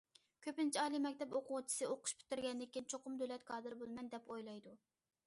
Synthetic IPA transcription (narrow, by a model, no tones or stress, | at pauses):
kʲʰøpɪnt͡ʃʰiɑːlˠimɛkʲt̪ɛpoqʰʊʁt͡ʃʰi̥sɨoqʰʊ̥ʃpʰy̥t̪ːyɾɡʲɛnd̪ɪkʲːint͡ʃʰoqʊmd̪ølɛt̪kʰɑːd̪ɨɾbolˠmɛnd̪ɛpojlˠɑjd̪u